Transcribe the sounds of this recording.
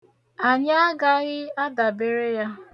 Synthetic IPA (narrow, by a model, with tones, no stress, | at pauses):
a˨ɲa˦a˦ɡa˦ɣɪ˦a˦da˨be˦ɾe˦ja˦